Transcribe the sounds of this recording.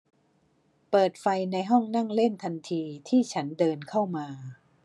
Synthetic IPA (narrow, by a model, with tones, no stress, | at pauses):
pɤː˨˩t̪̚fa˧jna˧jɦɔ˥˩ŋna˥˩ŋle˥˩nt̪ʰa˧nt̪ʰiː˧t̪ʰiː˥˩t͡ɕʰa˦˥ndɤː˧nkʰa˥˩wmaː˧